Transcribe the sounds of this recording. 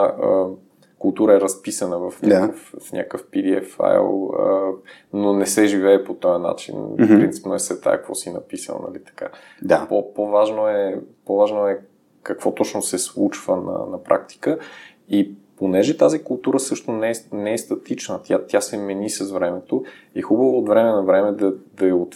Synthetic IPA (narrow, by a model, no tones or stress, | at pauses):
ə | kʊlˠt̪uɾəɛɾɐspisənəvɐfnʲaakəffnʲʔa̰kəfpid̪iɛ̰fa̰jlˠə | nonɛsɛʒivɛːpot̪ɔjəna̰t͡ʃḭnpɾɾint̪si̥pnoɛsɛt̪a̰jkvɔ̰sinɐ̰pisə̰lˠnɐ̰lit̪ɐ̥ka̰ | d̪apopovaʒnoɛpovaʒnoɛ | kɐkvɔt̪ɔt͡ʃnosɛslˠut͡ʃvənɐ̰nɐpɾʔa̰kt̪i̥kə | iponɛʒɛt̪azikʊlˠt̪uɾəsɤʃt̪onɛɛnɛɛst̪ɐt̪it͡ʃnət̪ʲjat̪jasɛmɛnisɐzvɾɛmɛt̪oixubəvoːd̪vɾɛmɛnɐvɾɛmɛd̪ɐd̪ɐɛot̪